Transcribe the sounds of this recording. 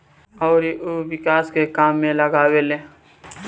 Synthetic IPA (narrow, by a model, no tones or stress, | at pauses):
ɔːɾiʔoʋɪkaːskekaːmːẽləɡaːweleː